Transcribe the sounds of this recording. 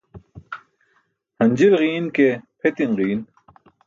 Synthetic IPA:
hɐnd͡ʑilʁiːnkepʰet̪inʁiːn

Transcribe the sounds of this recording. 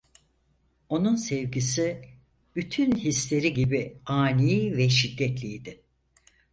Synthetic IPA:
o̞nunsɛvɟisi | b̥yt̪ʰynhislʲe̞ɾiɟibiaːnivɛʃid̪ːɛt̪lʲijd̪ɪ

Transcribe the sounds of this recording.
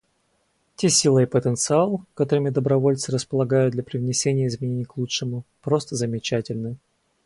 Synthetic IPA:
tʲesʲilˠəjəpət̪ənt̪sɨalˠkɐt̪o̞ɾɨmʲɪd̪əbɾɐvo̞lʲt̪sɨɾəspəlˠɐɡajʊd̪d̪lʲɐpɾʲɪvnʲɪsʲenʲɪjəɪzmʲɪnʲenʲɪjklˠutʂɨmʊpɾo̞st̪əzəmʲɪt͡ɕætʲɪlʲnɨ

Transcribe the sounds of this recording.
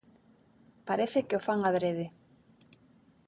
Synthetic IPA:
paɾeθekeofaŋaðɾeðe

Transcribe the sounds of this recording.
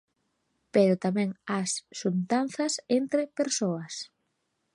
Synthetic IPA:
peɾʊt̪amɛ̃ŋasːunt̪an̟θɐsent̪ɾɪpeɾsoɐs

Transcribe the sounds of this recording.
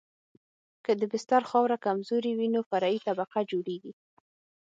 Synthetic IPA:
kəd̪əbɪst̪aɾxɑwɾakamzoɾiwinofaɾɑit̪abaqad͡ʒoɽeɡi

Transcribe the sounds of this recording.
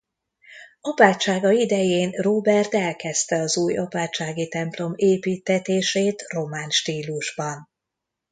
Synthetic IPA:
ɒpaːt͡ʃːaːɡɒid̪ɛjeːnroːbɛrt̪ɛlkɛst̪ɛɒzuːjɒpaːt͡ʃaːɡit̪ɛmplo̞meːpiːt̪ːɛt̪eːʃeːt̪ro̞maːnʃt̪iːluʒbɒn

